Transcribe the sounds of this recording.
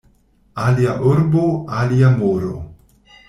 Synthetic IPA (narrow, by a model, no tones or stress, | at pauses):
aliaʔoɾboaliamoɾo̰